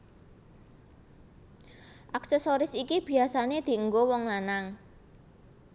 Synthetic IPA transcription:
ʔaksesoɾɪsikib̥i̤asaned̪̥i̤əŋɡowɔŋlanaŋ

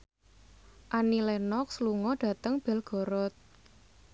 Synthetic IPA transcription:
ʔanilɛnɔk̚sluŋɔɖ̥ä̤t̪əŋb̥ɛ̤lɡ̥ɔ̤ɾɔt̪̚

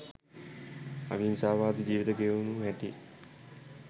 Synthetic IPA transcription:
a̰ʋinsaːʋaːd̪id͡ʒiːʋit̪əkeunuɦɛʈi

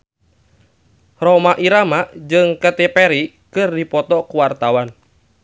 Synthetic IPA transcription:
rɔmaʔiɾamaʔd͡ʒɨŋkət̪epɛɾi | kɨrdipɔt̪ɔkuwart̪awan

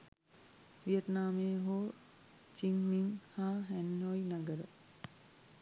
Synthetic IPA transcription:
ʋijət̪naːmeːɦoː | t͡ʃiŋmiŋhaːɦænːojnaɡəɾə

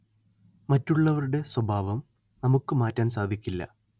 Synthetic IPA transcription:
mɐtːuɭːɐʋɐɾuɽe̞swɐbʱaːʋɐm | nɐmukːɨmaːtːaːnsaːd̪ʱikʲːilːɐ̰

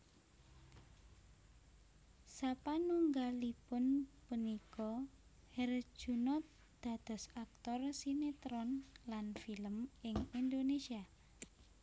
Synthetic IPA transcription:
sapanuŋɡalipʊnpunikɔ | hɛr̥ʒ̥unɔt̪̚ | d̪̥a̤d̪̥ɔ̤sak̚t̪ɔrsinet̪ɾɔnlanfiləmɪŋind̪onesia

